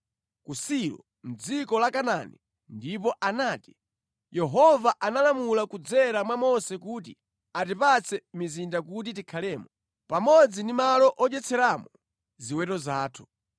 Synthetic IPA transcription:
kusiɾɔ̰ | m̩d͡zikɔlakananḭ | ndip̬ɔʔanaːti | jɛɦɔvaʔanalamulakud͡zɛɾamwamɔsɛkut̬i | atipat͡sʰɛmizindakutitikʰalɛːmɔ | pamɔd͡zindimalɔʔɔt͡ʃɛt͡sʰɛɾamɔ | ziwɛtɔzaːtʰu̥

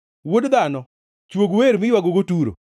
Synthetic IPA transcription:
wodd̪anɔ | t͡ʃwoɡweɾmɪjwaɡoɡotuɾo̰

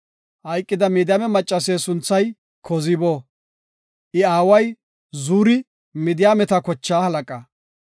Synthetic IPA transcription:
hɐjkʼːɪd̪ɐmid̪ɪjaːmɛmɐt͡ʃʼːɐseːsʊnt͡sːɐj | kʰɔzɪbo | ʔɪaːwɐj | zuːɾɪ | mɪd̪ɪjaːmɛt̪ɐkɔt͡ʃːaːhɐlɐkʼɐ

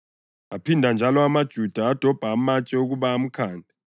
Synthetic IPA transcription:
apʰindʱand͡ʒʱalɔamad̥ʒ̥ʱud̥ʱaːd̥ʱɔb̥ʱaːmat͡ʃʼɛuɣuβaːm̩kʰaːndʱɛ

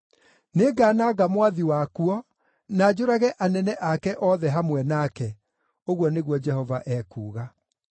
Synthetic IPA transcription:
neːɡaːnaɣamwaðiwakuɔ | naːd͡ʑoɾaɣɛʔanɛnɛʔakɛʔɔːðɛɦamwɛnakɛ | oɣwɔneɣwɔd͡ʒɛhɔvaʔɛːkuːɣa

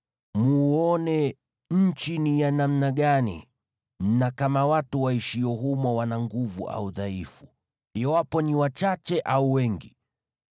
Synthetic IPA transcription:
muːɔnɛ | ɲ̩t͡ʃinijanam̩naɠanḭ | nakamawatuwaiʃijɔɦumɔwanaŋɡuvṵʔa̰uðaifu | iwapɔniwat͡ʃat͡ʃɛʔauwɛŋɡi

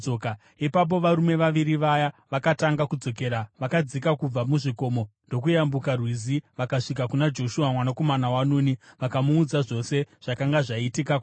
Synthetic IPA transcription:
oka | ipap̬o̞ʋaɾume̞ʋaʋiɾiʋajaʋakataŋɡakud͡zo̞ke̞ːɾaʋakad͡zikakub͡vamuʐiko̞ːmo̞ndo̞kujambukarwiziʋakaʂikakunad͡ʒo̞ʃuamwanako̞manawanuːniʋakamuːd͡zaʐo̞se̞ʐ̥akaŋɡaʐaitikak

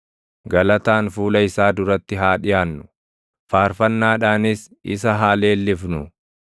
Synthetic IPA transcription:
ɡɐlɐt̪aːnfuːlɐɪsaːd̪ʊɾɐt̪ːɪɦaːᶑɪjaːnːʊ̥ | faːɾfɐnːaːᶑaːnɪs | ɪ̰sɐɦaːle̞ːlːɪfnʊ̰

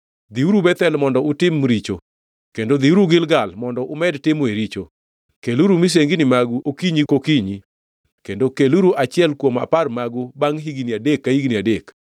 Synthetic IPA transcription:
d̪iuɾubɛt̪ɛlmɔndɔʊtɪmɾit͡ʃo̰ | kendod̪iuɾuɡɪlɡalmɔndɔʔʊmɛdtɪmweɾit͡ʃo | keluɾumis̬eŋɡinɪmaɡuʔokiɲikokiɲi | kendokeluɾuʔat͡ʃɪɛlkwoma̰parmaɡubaŋɦiɡiniadekːahiɡniadek

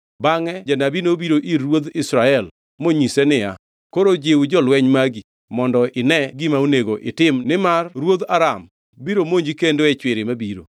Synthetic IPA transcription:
baŋɛd͡ʒanabinobiɾoʔirwod̪ɪsɾaɛl | moɲisɛnɪa | koɾod͡ʒewud͡ʒɔlwɛɲmaɡi | mɔndɔɪnɛɡɪmaoneɡoʔɪtɪmnɪmarɾwod̪aɾam | biɾomoɲd͡ʒikendoɛt͡ʃwɪɾɪmabiɾo̰

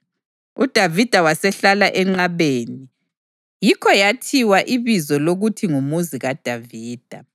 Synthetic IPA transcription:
ud̥ʱavid̥ʱawasɛɬalaʔɛŋ͡ǁaβeːni | jikʰɔjatʰiwaʔiβizɔloɣutʰiŋumuziɣad̥ʱaviːd̥ʱa

